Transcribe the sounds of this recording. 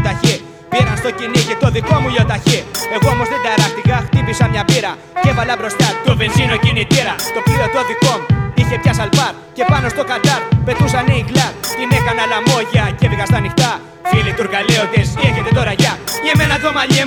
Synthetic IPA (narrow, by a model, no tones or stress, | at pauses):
t̪açi | pienɐnst̪o̞ciniʝet̪o̞ðiko̞muʎo̞t̪açie̞ɣoomo̞zðed̪ɐɾɐxt̪ikɐxt̪ipisɐmɲapiɾɐ | ce̞valɐbɾo̞st̪ɐt̪ovensinocinit̪iɾɐt̪o̞plio̞t̪o̞ðiko̞muiçe̞pçɐsɐlpɐɾ | ce̞pɐno̞st̪o̞kand̪ɐɾpe̞t̪us̬ɐniiɣlɐɾt̪ine̞kanɐlamo̞ʝɐceviɣɐst̪ɐnixt̪ɐ | filit̪uɾɣaleoðesieçet̪e̞t̪o̞ɾɐʝɐieme̞naðomaʎi